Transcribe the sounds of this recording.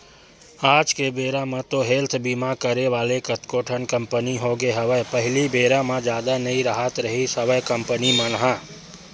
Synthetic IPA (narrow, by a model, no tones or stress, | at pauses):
aːd͡ʒkebeːɾãmãt̪oɦeːlt̪ʰbimakəɾeʋaːlekət̪koːʈʰənkəmpəniɦoɡeɦəʋəpəɦɪlibeːɾãmãd͡ʒjaːd̪anəiɾəɦət̪ɾəɦisəbəjkəmpənimənɦã